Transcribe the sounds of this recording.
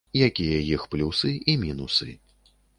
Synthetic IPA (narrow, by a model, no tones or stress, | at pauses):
jakʲijɐjixplʲusɨimʲinusɨ̰